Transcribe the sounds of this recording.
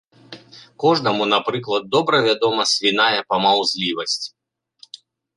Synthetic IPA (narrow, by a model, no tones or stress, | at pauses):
kɔʐnɐmunapɾɨklˠɐd̪̚ːɔbɾɐvʲad̪ɔmɐsʲvʲinajɐpɐmawzʲlʲivɐsʲt͡sʲ